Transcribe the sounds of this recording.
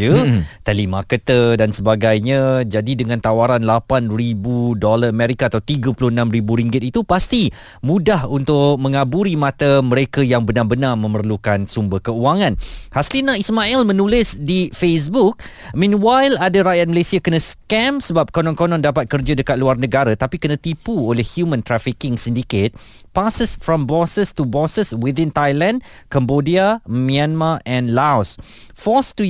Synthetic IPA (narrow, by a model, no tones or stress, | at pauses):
ət̪ɛlimakət̪ədansəbaɡajɲãd͡ʒadidəŋãnt̪awaɾanlapanribudolaəmɛɾikaːt̪awt̪iɡapulʊhənãmribuɾiŋɡɪt̪it̪upast̪i | mũdahunt̪ʊʔmə̃ŋabuɾimãt̪amə̃ɾekajaŋbənabənarmə̃mərlukansumbəkəuaŋãnhaslinaismaʔɛlmə̃nũlɪsdifes̬buk̚ | mĩnwajladaɾajat̪̚məlesiakənãskɛ̃msəbap̚kɔnɔ̃nkɔnɔ̃ndapat̪̚kərd͡ʒadəkat̪̚luarnə̃ɡaɾat̪apikənãt̪ipuolɛhhjumə̃nt̪ɾafikɪŋsindiket̪̚ | pasəsfɹɔ̃mbɔsəstubɔsəswidɪ̃nt̪ajlãndkambodiamĩanmaʔɛ̃nlaws | fɔstu